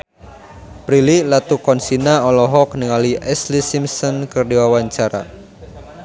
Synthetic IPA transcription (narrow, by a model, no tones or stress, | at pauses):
pɾililat̪ukɔnsinaɔlɔɦɔknəŋaliʔɛslisimsɔnkərdiwawaɲt͡ʃaɾa̰